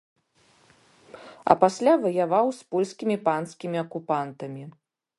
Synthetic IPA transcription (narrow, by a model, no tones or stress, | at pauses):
ɐ̰pasʲlʲavɐjavawspɔlʲskʲimʲipanskʲimʲiɐkupant̪ɐmʲi